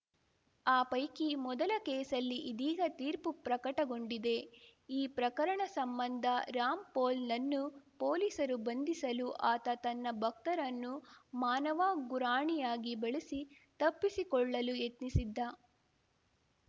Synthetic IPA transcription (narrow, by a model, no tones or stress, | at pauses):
aːpɐjkimɔd̪ɐlɐkɛːsɐlːiʔid̪iːɡɐt̪iːɾpupɾɐkɐʈɐɡo̞ɳɖid̪e̞iːpɾɐkɐɾɐɳɐsɐmbɐnd̪ʱɐɾaːmpoːlnɐnːupoːliːsɐɾubɐnd̪isɐluʔaːt̪ɐt̪ɐnːɐbʱɐk̚t̪ɐɾɐnːumaːnɐʋaːɡuɾaːɳijaːɡibeɭisit̪ɐpːisikɔɭːɐlujet̪nisid̪ːɐ